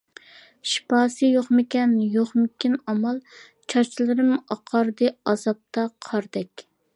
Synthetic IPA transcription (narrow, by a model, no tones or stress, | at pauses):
ʃi̥pɑːsɨjoχmɪkʲɛnjoχmɪkʲinɑmɑlˠ | t͡ʃʰɑɾt͡ʃʰilˠɨɾɨmɑqʰɑɾd̪ɨɑzɑp̚t̪ʰɑqʰɑɾd̪ɛkʲ